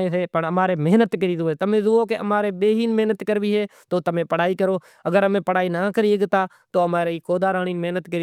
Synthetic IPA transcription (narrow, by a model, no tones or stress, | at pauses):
ẽːseːpəɳəmaːɾeːmɪɦnət̪kəɾiːzoːeːt̪əmẽːzʊoːkeə̰maːɾeːɓeːɦiːnmɪɦnət̪kəɾʋiːɦeːt̪oːt̪əmẽːpəɽ̤aːiːkəɾoː | əɡəɾəmẽːpəɽ̤aːiːnaːkəɾiːəɡt̪aː | t̪oːəmaːɾeːiːkoːd̪aːɾaːɳiːnmɪɦnət̪kəiː